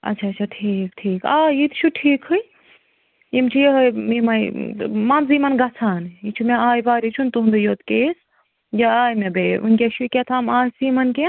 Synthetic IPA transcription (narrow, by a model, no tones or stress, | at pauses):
ɐ̰tːt͡ʃʰaːt͡ʃʰaʈʰiːkʈʰiːkaːjit̪ʰt͡ʃʰuʈʰiːkhɨj | jimt͡ʃʰijeɦmimɐjmɐmziːmɐnɡɐt͡sʰaːnit͡ʃʰumẽaːjbaːɾit͡ʃʰunt̪uɦund̪ɨjoːt̪keːs | jaaːjmebeṵnkʲeʃʰukʲet̪ʰaːmaːjsiːmɐnke